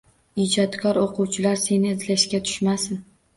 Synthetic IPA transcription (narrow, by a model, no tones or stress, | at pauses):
id͡ʒɒt̪kʰɒɾoqʰʊwt͡ʃʰɪlaɾse̞nɪːzlaʃkʲat̪ʰʊ̥ʃmasɪn